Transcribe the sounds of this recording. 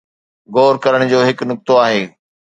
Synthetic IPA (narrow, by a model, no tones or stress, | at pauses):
ɡoːɾkɐɾəɽ̃d͡ʑoːɦɪknʊk̚t̪oaːɦeː